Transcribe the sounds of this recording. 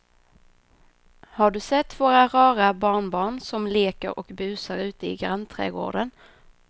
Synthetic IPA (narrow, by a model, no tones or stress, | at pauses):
haɖɵsɛt̪ːvoːɾaɾɑːɾabɑːɳbɑːɳsɔmleːkə̰ɾʔɔ̰kbʉ̟ːsaɾʉ̟ːt̪əɪ̰ɡɾant̪ʰɾɛ̰ːɡo̰ːɖən